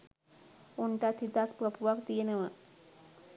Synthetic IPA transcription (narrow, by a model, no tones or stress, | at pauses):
uɳʈat̪ʰit̪akpɾəpuʋakd̪ijeneʋa